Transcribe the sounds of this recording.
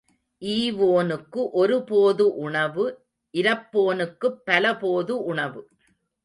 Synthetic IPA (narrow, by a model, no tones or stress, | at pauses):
ʔiːʋoːnɯkːɯʔɔɾɯpoːðɯʔʊɳɐʋɯ | ʔɪɾɐpːoːnɯkːɯpːɐlɐpoːðɯʔʊɳɐʋɯ